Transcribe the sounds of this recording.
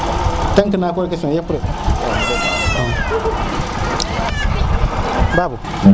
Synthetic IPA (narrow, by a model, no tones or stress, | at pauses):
taŋkənakoɾikasajepuɾe | baːbu